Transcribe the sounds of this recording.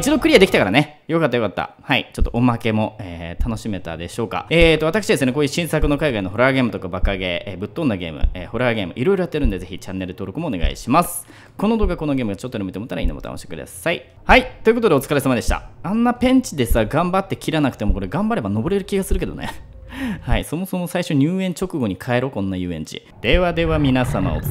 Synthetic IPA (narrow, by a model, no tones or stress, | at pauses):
it͡ɕid̪o̞kɯ̟ɾiad̪ekʲi̥t̪akaɾane̞jo̞kat̪ːajo̞kat̪ːa̰ | haḭt͡ɕo̞t̪ːo̞ʔomake̞mo̞eːt̪ano̞ɕime̞t̪a̰d̪e̞ɕo̞ːka̰eːt̪ːo̞at̪akɯ̥ɕid̪esɨneko̞ːjɯ̟ɕĩɰ̃sakɯ̟no̞kaiɡainoɦo̞ɾaːɡe̞ːmɯ̟t̪o̞kabakaɡe̞ːbɯ̟t̪ːo̞nːaɡe̞ːmɯ̟̰eːho̞ɾaːɡe̞ːmɯ̟̰ʔiɾo̞iɾo̞jat̪ːeɾɯ̟nd̪e̞ze̞çit͡ɕanːe̞ɾɯ̟t̪o̞ːɾo̞kɯ̟moːne̞ɡa̰ḭɕimasɨ̥ | ko̞no̞d̪o̞ːkɡako̞no̞ɡe̞ːmɯ̟ɡat͡ɕot̪ːojɾomet̪emot̪ːaɾaḭnomo̰t̪a̰n̰ɕi̥t̪e̥kɯ̟d̪a̰sai | hait̪o̞jɯ̟ko̞t̪oe̞o̞t͡sɨ̥kaɾesamad̪e̞ɕi̥t̪a̰ãnːapẽ̞ɲ̟t͡ɕid̪e̞saɡãmbat̪ːe̞kʲiɾanakɯ̟̥t̪e̞mo̞ko̞ɾe̞ɡãmbaɾe̞bano̞bo̞ɾe̞ɾɯ̟kʲiɡasɨɾɯ̟ked̪o̞̰nḛ | haiso̞mo̞so̞mosaiɕo̞ɲ̟ɨːẽ̞ɲ̟t͡ɕo̞kɯ̟ɡo̞ɲ̟ikʰae̞ɾo̞kõ̞nːajɯ̟ːẽ̞̰ɲt͡ɕḭ | d̪̥e̞βad̪e̞βamʲinasama̰o̰